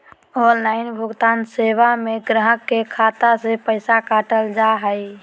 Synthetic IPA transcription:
ɔːnlaːɪnbʱʊɡt̪aːnseːʋameɡɾəɦəkːekʰaːt̪asepəɪsakaːʈəld͡ʒaɦəi

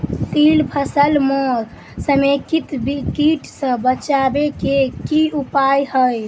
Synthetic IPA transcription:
t̪ilpʰəsəlmɔd | səmekit̪bikiʈsə̃bət͡ʃabekekiupajhəj

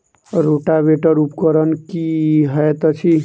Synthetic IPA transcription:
ɾoʈabeʈəɾupkəɾənkiɦəjt̪ɔt͡ʃʰi

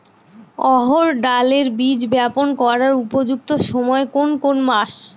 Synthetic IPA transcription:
ɔɦoɾɖaleɾbid͡ʑbɛponkɔɾaɾupod͡ʑuk̚t̪oʃɔmɔekonkonmaʃ

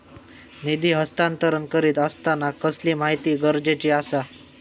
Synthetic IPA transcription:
nid̪iːɦəst̪ãnt̪əɾənkəɾiːt̪əst̪anakəsliːmaɦit̪iːɡəɾd͡ʑet͡ɕiasa

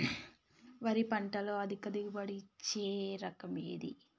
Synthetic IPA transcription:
ʋɐɾipɐɳʈɐloːɐd̪ikɐd̪iɡubɐɽit͡ʃeːɾɐkɐmḛːd̪ḭ

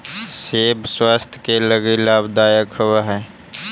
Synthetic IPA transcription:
seːbswaːst̪ʰjkeləɡilaːbd̪aːjəkhowaɦɛː

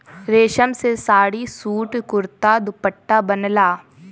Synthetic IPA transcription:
ɾeːʃəmsesaːɽisuːʈkʊɾt̪ad̪ʊpəʈːabənlaː

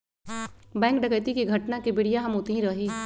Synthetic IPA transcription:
bɛ̃ːŋk̚ɖɐkəjt̪ikiɡʱɐʈnakibɪɽ̤ijaɦɐmoːt̪iɦĩɾɐɦiː

